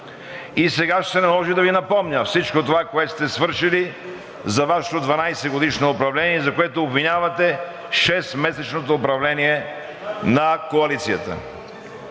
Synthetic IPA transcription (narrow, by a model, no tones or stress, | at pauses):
isɛɡaʃsɛnɐlˠɔʒid̪ɐvinɐpɔmnʲəfsit͡ʃkot̪ovakoɛt̪st̪ɛsvɤɾʃili | zɐvaʃɛ̥t̪od̪vɐnajsɛɡod̪iʃnoːpɾɐvlɛniɛzɐkoɛt̪oːbvinʲavɐt̪ɛ | ʃɛsmɛsɛt͡ʃnot̪oːpɾɐvlɛniɛ | nɐkoɐlit̪sijət̪ə̰